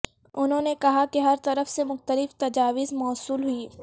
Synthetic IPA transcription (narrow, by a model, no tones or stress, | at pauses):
ʊnɦõːnekɐɦakeɦɐɾt̪ɐɾəfsemʊxt̪əlɪft̪ɐd͡ʒaːʋɪzmɔːsuːlɦʊi